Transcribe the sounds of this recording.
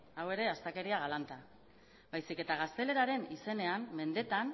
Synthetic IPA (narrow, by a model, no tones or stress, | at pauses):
awe̞ɾe̞ast̪ake̞ɾiaɣalant̪a | bajsike̞t̪aɣ̞ast̪e̞le̞ɾaɾe̞nise̞ne̞amːe̞nd̪e̞t̪an